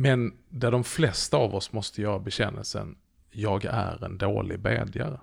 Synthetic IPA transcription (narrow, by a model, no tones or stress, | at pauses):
mɛnd̪æɖɔmflɛst̪aːvɔsmɔst̪ʰəjœːɾabɛɕɛnːəlsə̰n | jɑːɡæɾɛnd̪oːlɪɡbeːd̪jaɾə